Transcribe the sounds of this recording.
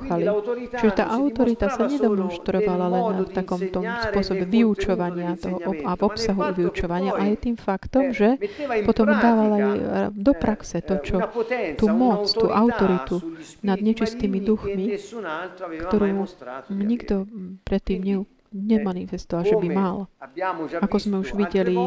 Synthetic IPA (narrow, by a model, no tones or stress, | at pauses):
xalit͡ʃiʒɛt̪a̰ːʔaʊt̪ɔɾit̪asaɲɛd̪ɔmɔnʃt̪ɾɔʋalalɛnːft̪akɔmt̪ɔmspʊɔsɔbɛʋiut͡ʃɔʋaɲɪat̪ɔɦɔʔɔavɔpsaɦuʋiut͡ʃɔʋaɲɪaʔajt̪iːmfakt̪ɔmʒɛpɔt̪ɔmd̪aːʋalaajd̪ɔpɾaksɛt̪ɔt͡ʃɔt̪uːmɔt͡st̪uːʔaʊt̪ɔɾit̪u | nad̪ɲɛt͡ʃist̪iːmid̪uxmi | kt̪ɔɾuːɲiɡd̪ɔpɾɛt̪ːiːmɲɛ | ɲɛmanifɛst̪ɔʋalʒɛbimal | akɔzmɛuʒʋiɟɛli